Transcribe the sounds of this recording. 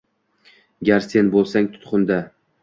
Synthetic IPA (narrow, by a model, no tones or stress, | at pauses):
ɡʲaɾse̞nbolˠsaŋt̪ʰʊ̥t̪qʊnd̪a